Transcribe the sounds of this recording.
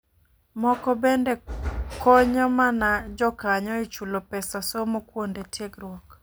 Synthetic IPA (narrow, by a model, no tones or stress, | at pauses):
mɔkɔbendekɔɲɔmanad͡ʒɔkaɲɔɪt͡ʃulopɛsasomokwondetjekrwɔk